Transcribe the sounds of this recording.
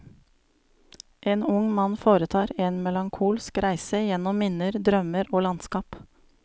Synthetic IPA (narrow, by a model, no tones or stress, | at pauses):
ʔeːnʊŋmɑnfoːɾət̪ʰɑːɾeːnmɛlɑŋkʰuːlskɾæɪsəjɛnɔmmɪnəɾd̪ɾœməɾoːlɑnskɑːp